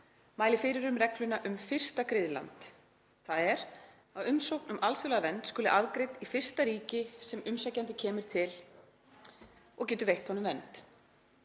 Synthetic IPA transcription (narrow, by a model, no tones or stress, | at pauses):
maːjlɪfɪːɾɪɾʏmrɛklʏnaʔʏmfɪr̥st̪akɾɪðla̰nt̪ | θaðɛɾ | aðʏmsowhknʏmalsʏlɛɣavɛnt̪skʏːlɪʔavkɾejt̪ifɪr̥st̪aɾiːcɪsɛmʏmsɛcːant̪ɪcʰɛːmʏɾ̥t̪ʰɪl | ɔɣcɛːt̪ʏɾvejht̪hɔnʏmvɛnt̪